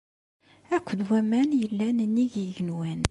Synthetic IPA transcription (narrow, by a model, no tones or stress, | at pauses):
ækʷːd̪wæmænjəlːænənːiʝiʝənwæn